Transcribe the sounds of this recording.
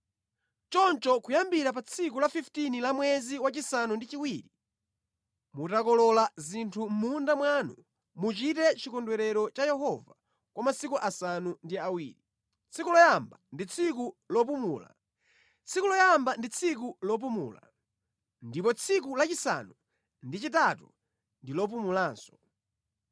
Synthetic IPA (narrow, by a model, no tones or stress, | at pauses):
t͡ʃɔnt͡ʃɔkujambiɾap̬at͡sʰikulafiftinilamwɛziwat͡ʃisanundit͡ʃiwiːɾi | mutakɔlɔlazintʰum̩mundamwanu | mut͡ʃitɛt͡ʃikɔndwɛɾɛɾɔt͡ʃajɛɦɔva | kwamasikuʔasanundiawḭːɾi | t͡sʰikulɔjambandit͡sʰik̬ulɔp̬umuːla̰ | t͡sʰikulɔjambandit͡sʰikulɔp̬umṵːla̰ | ndipɔt͡sʰik̬ulat͡ʃisa̰nu | ndit͡ʃitatu | ndilɔp̬umulaːnsɔ̥